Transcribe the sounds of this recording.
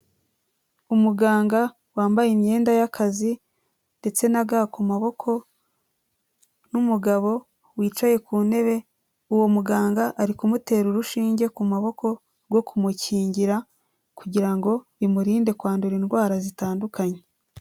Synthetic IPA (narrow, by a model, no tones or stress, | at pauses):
umuɡaːŋɡa | waːmbajimɲe̞ːndajakʰazi | nde̞t͡se̞naɡakumaβo̞kʰo̞ | numuɡaβo̞ | wiːt͡ʃaje̞kuːne̞βe̞ | uwo̞muɡaːŋɡaʔaɾikumute̞ːɾuɾuʃiːɲɟe̞kumaβo̞kʰo̞ | ɡo̞kumuciːɲɟiɾa | kuɟiɾaŋɡo̞βimuɾiːnde̞kwaːnduɾiːnɡwaːɾazitaːndukaɲe